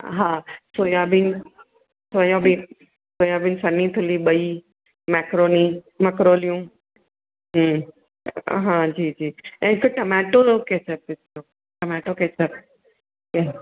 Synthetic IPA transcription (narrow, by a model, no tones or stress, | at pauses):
ɦãːsoːjabin | soːjãbi | soːjabinsɐnĩt̪ʰʊliɓɐi | mɛːkɾoːni | mɛkɾoːlijũ | ɦ | ɦãd͡ʑiːd͡ʑiːɛ̃koʈɐmɛːʈokeːsəpɪso | ʈɐmɛːʈokeːt͡ʃəp | ke